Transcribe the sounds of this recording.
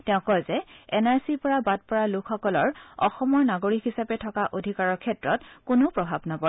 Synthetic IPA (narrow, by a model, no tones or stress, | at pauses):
tɛʊ̃kɔjzɛɛnaɹsipɔɹabad̚pɔɹalʊkʰxɔkɔlɔɹɔ̰xɔmɔɹnaɡoɹikɦisapɛtʰɔkaʔodʱikaɹɔɹkʰɛtɹɔtkʊnopɹɔbʱabnabɔ